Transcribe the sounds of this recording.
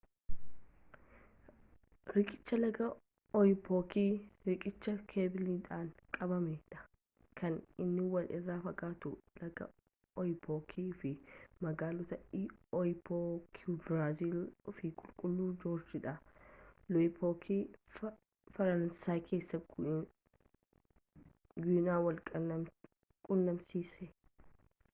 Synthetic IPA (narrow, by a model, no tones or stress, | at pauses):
ɾɪkʼɪ̥t͡ʃːɐlɐɡɐ | ɔjɪpʰoːkiːɾɪkʼɪt͡ʃːɐkʰeːbɪliːᶑaːnkʼɐbɐmeːᶑɐ̥ | kʰɐnɪnːɪwɐnʔɪ̰rːaːfɐɡʼaːt̪ʊlɐɡɐ̰ | ɔjɪpʰoːkʰiːfɪmɐɡaːlɔt̪ɐɔjpokʰbɾaːziːlfɪkʼʊlkʼʊlːuːd͡ʒoːɾd͡ʒɪᶑɐ | lɔɪpʰoːkʰi | fɐɾɐnɐnsaːkʰe̞ːsːɐ | ɡʊnaːwɐlkʼɐ | kʼʊnːɐmsiːsɛ